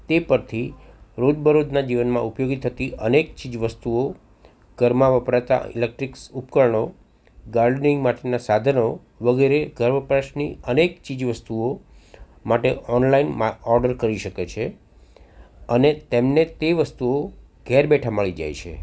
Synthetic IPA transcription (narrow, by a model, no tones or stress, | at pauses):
t̪epəɾt̪ʰi | ɾod͡ʒbʱəɾod͡ʒnad͡ʒiʋənmãupjoɡit̪ʰːət̪iʔənekt͡ʃid͡ʒʋəst̪uo | ɡ̥əɾmaʋəpɾat̪a̰ḭlek̚ʈɾiksupkəɭɳo | ɡaɾɖnĩŋɡmaʈenasad̪ʱəno | ʋəɡeɾeɡʱəɾməpɾaʃniənekt͡ʃid͡ʒʋəst̪uo | maʈeʔɔnlainmaɔɾɖəɾkəɾiʃəket͡ʃʰe | ənet̪emnet̪eʋəst̪uo | ɡʱɛɾbɛʈʰaməɭid͡ʒa̰jt͡ʃʰḛ